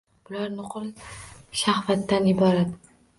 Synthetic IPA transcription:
b̥ʊlaɾnʊqʰɨlʃahfat̪ːanjɪbɒɾad̪

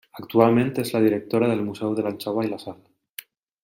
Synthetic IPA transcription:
akt̪ualmẽnt̪ezlað̞iɾek̚t̪oɾaðelmusɛwðelanʲt͡ʃawajlasal

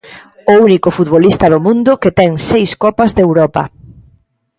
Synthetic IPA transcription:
ounikʊfut̪̚βolist̪ɐðʊmũnd̪ʊket̪ɛŋsejskɔpɐzðewɾɔpɐ̰

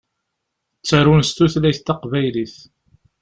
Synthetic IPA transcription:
t͡sːəɾunst̪uθlæjθt̪ːɑqvæjliθ

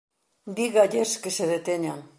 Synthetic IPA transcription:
biɣajeʃkeseðet̪eɲan

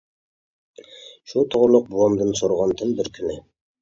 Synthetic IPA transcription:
ʃut̪ʰoʁlˠʊq̚buɑmd̪ɨnsoɾʁɑnt̪ʰənbɪɾkʲʰynɪ

